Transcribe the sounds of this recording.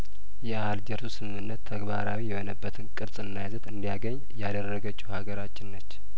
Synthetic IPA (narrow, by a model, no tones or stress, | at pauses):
jɛahald͡ʒəɾt̪usɨmɨmɨnːət̪ʰːəɡbaɾawijɛho̞nəbːət̪ʰɨnkʼɨɾsʼɨnːajazət̪ɨnd̪ijaɡəɲːjad̪ərːəɡət͡ʃːuhaɡəɾat͡ʃːɪnːət͡ʃː